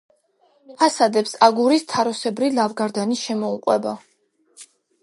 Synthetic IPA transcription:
pʰasad̪ɛpsaɡuɾist̪ʰaɾɔsɛbɾilavɡaɾd̪aniʃɛmɔuqʼwɛba

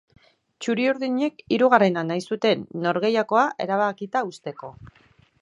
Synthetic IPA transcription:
t͡ʃuɾiuɾðiɲe̞kiɾuɣ̞are̞nanajsut̪e̞nːo̞ɾɣe̞jako̞aʔe̞̰ɾaβ̞akit̪aust̪e̞ko̞

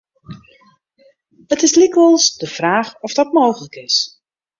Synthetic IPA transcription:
ətɪslikʋəlˠsdəv̥raːχɔfdɔtmoːχələkɪs

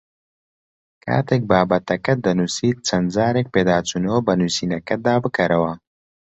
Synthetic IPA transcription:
ka̰ːt̪ek̚baːbat̪ɐkɐt̪̚d̪ɐnusiːt͡sɐnzaːɾek̚peːd̪aːt͡sunoːbɐnusinɐkɐd̪aːbəkɐɾɐwa

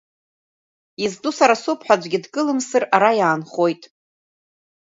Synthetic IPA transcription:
izdʼusaɾasʊpʰħʷᶣad͡ʒʷɡʲɪdɡʼɨlɨmsɨraɾajaːnχo̞jtʼ

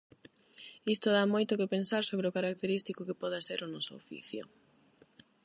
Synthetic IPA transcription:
ist̪oðamojt̪ʊkepensaɾsoβɾeokaɾak̚t̪eɾist̪ikokepɔðaseɾʊnɔsoofḭθjʊ̰

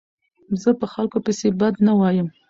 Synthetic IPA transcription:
zəpəxalkopəsebad̪nawɑjəm

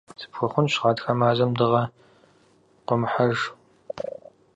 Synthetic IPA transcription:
sʰɨ̥pxʷʊχʷʊnɕʁɑːtxɐmaːzɐmdɨʁɐ | qʷʊmħaʒ

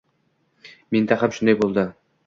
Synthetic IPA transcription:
ment̪æχamʃʊnd̪ajbolˠd̪ə

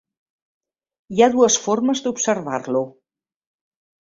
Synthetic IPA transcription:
iaðuəsfɔɾməzd̪upsəɾβarlu

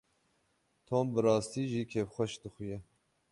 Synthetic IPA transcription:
t̪ʰoːmbɨɾɑːst̪iːʒiːkʰepxʷɛʃd̪ɨxujɛ

